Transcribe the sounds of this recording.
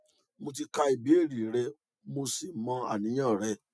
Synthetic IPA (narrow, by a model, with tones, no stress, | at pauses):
mo˧t̬i˧ka˧i˨bi˨˦e˦˨ɾi˨ɾɛ˧ | mo˧si˨mɔ̃˧a̰˨nĩ˨˦j̃ã˦˨ɾɛ˧